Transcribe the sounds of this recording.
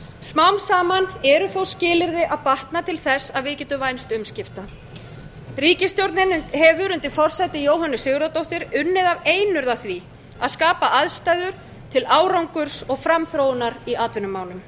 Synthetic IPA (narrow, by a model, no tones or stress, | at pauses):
smawmsaːmanɛɾʏθowscɪːlɪɾðɪʔaðpaht̪nat̪ʰɪlθɛsːaðvɪðcɛːt̪ʏvajnst̪ʏmscɪft̪a | riːcɪst̪jowɾt̪nɪnɦɛvʏɾʏnt̪ɪfɔr̥sɛt̪ɪjoːwɦanːɪsɪɣɾat̪owht̪ɪɾʏnːɪðaveːjnʏɾðaθvi | aðskaːpaʔaðst̪aːjðʏɾ̥ | t̪ʰɪlaːwɾawŋkʏɾ̥sɔɣfɾamθɾoːwnaɾiaːt̪vɪnʏmːaːwlʏm